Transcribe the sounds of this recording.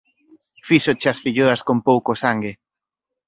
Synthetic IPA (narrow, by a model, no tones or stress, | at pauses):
fisot͡ʃasfiʎoaskompowkosaŋɡe